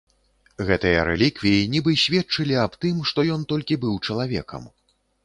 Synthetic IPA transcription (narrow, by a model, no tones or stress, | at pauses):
ɣɛt̪ɨjɐɾɛ̰lʲikvʲijinʲibɨsʲvʲɛt̪̚t͡ʂɨlʲiapt̪ɨmʂt̪ɔjɔnt̪ɔlʲkʲibɨwt͡ʂɐlˠavʲɛ̰kɐ̰m